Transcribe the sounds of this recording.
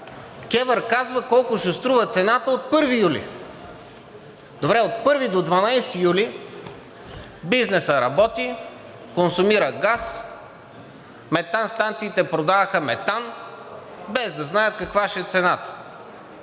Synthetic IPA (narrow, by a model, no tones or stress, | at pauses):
kʲɛvəɾkazvəkɔlˠkʊʃɛst̪ɾuvət̪sɛnat̪əot̪̚pɤɾvijulḭ | d̪̥obɾɛot̪̚pɤɾvid̪od̪vɐnajst̪ijuli | biznɛsəɾɐbɔt̪i | konsʊmiɾəɡas | mɛt̪anst̪ant̪siːt̪ɛpɾod̪avəxəmɛt̪an | bɛzd̪ɐznajət̪̚kɐkvaʃɛt̪sɛnat̪ə̥